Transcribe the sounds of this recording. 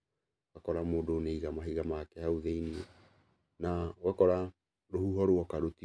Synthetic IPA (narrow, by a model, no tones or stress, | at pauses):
wakɔɾamoːdoneiɣamaɦiɣamakɛhauðeiniɛ | nawakɔɾa | ɾohuɦɔɾwɔkaɾoti